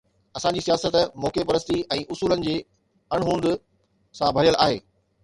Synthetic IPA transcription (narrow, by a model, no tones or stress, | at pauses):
ɐsãd͡ʑiːsijaːsət̪moːkepɐɾəs̬t̪iʔɛ̃ːʔʊsuːlənɪ̆d͡ʑeː | ɐɽ̃ɦũːnd̪ɪ | sãbʱɐɾijəlʔa̰ːɦḛː